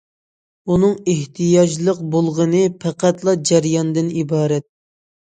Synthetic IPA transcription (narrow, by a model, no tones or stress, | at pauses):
unɨŋeht̪ʰɨjɑd͡ʒlˠəq̚bolˠʁənɨpʰæqʰæt̪lˠɑd͡ʒæɾjɑnd̪ɨnibɑːɾɛt̪̚